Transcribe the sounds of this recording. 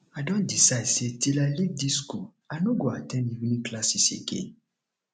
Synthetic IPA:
adɔ̃ndisadsetilalik̚disku | anũɡoatɛ̃nivnĩklasisḛkḛ

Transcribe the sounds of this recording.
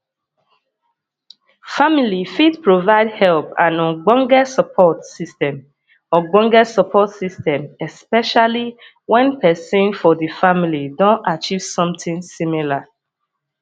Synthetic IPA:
familifidpɹovaɪdhɛlpã̰nɔ̃nɡ͡bɔ̃ŋɡɛsəpʰɔtsistɛ̃m | ɔɡ͡bɔ̃ŋɡɛdsɔpʰɔtsistɛ̃mɛspɛʃali | wɛ̃npʰɛsẽnfɔðəfamilidɔ̃ntat͡ʃiv̥sɔ̃mtĩŋsĩmila

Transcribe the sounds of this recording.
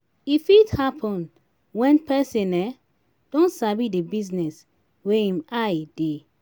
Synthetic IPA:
ifithapʰɔ̃n | wɛ̃npɛsĩnɛ | d̥ɔ̃nsabidebiznɛs | weĩmajd̥e

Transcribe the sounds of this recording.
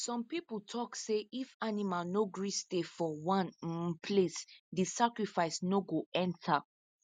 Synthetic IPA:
sɔ̃mpipl̩tʰɔkseifanimalnoɡɹistefɔwãnpʰlesdisakɹifaɪsnoɡoɛ̃ntʰa

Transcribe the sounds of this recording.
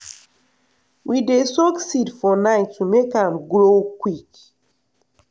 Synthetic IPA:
wʔidesɔksidfɔnãɪtʰːumekãmɡɹokwik

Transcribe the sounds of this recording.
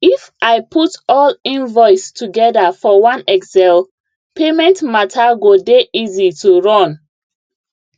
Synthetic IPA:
ifʔaɪpʰutɔlĩnvɔɪstuɡɛdafɔwãnɛkzɛl | pʰemɛ̃ntmatʰaɡodeʔizituɹɔ̃n

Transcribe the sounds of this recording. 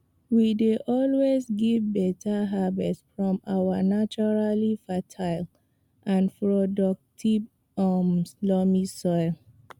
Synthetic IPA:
wideʔɔlwezɡivbɛtʰaɦabɛtsfɹɔ̃ma̰wanat͡ʃɔɹalifatʰaɪl | ʔãnpɹodɔk̚tʰiv | ɔmslɔmisɔɪl

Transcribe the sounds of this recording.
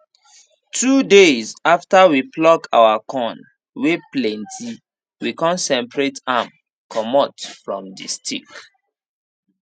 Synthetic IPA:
tʰudezaftawiplɔka̰wakʰɔ̃n | weplɛ̃ntʰi | wikɔ̃nsɛ̃mpɹetam | kʰɔmɔtfɹɔ̃mdḭstʰḭk

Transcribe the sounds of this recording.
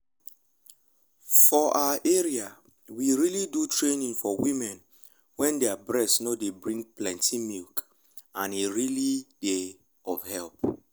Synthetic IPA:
fɔʔaʔɛɹia | wiɹilidutɹenĩŋfɔwĩmɛ̃n | wɛ̃ndɛabɹɛstnodebɹĩŋplɛ̃ntʰimilk | ãniɹilid̥e | ɔvhɛlp

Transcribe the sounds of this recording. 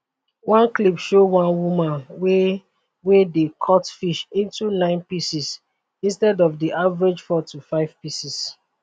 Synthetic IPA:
wãnklipʃowãnwumãnwe | wedekʰɔtfiʃĩntunãɪ̃npisis | ĩnstɛdɔvdiʔavəɹed͡ʒfɔtʰufaɪv̥pisis

